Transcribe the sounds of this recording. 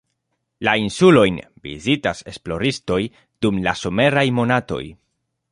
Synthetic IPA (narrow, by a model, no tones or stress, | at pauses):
lainsulo̞jnvḭzitase̞̰splo̞ɾisto̞j | d̥umlaso̞me̞ɾajmo̞nato̞̰j